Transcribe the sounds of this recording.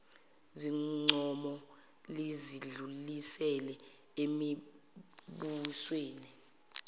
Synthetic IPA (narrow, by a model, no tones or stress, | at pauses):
ziŋ͡ǀɔmɔ | liziɮulisɛlɛ | emi | ɓusweːni